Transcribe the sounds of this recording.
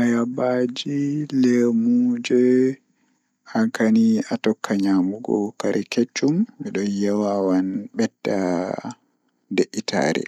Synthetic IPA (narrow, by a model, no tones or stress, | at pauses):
ʔajabad͡ʒilemud͡ʒɛ | aŋkaniatɔkʰːaɲamuɡɔ̰kaɾiket͡ʃːumɛɗɔnjawawanɓɛtːa | deʔːitʰa̰ːɾɛ̰